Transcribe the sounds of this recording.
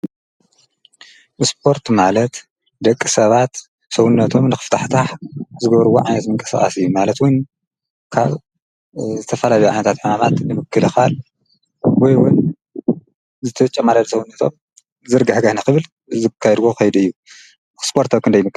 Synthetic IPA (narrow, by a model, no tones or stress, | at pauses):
ʔɨsp̚ʰo̞ɾt̪malɐt̪ | d̪ɐkʼːisɐβat̪ | sɐwunːɐt̪ʰo̞mnɨxɨ̥ft̪ʰaħt̪ʰaħzɨɡɐβɾɨwoʕajnɐt̪mɨŋkʼɐ̥sa̰χʼa̰sɨjːumalɐt̪wʊn | kʰa̰β | zɨt̪ʰɐfɐlaljuʕajnɐt̪at̪ħumamat̪nɨmɨkːɨlɨxal | wɔjwʊn | zɨt̪ʰɐt͡ʃʼːɐmaɾad̪sɐwunːɐt̪ʰo̞̰m | zɨɾɡɐħɡahnɐkɨβɨl | zɨkʰːajd̪ɡokɐjd̪ɨjːu | spʰo̞ɾt̪ʰɐβkʰɨnd̪ɐjmɨkʼː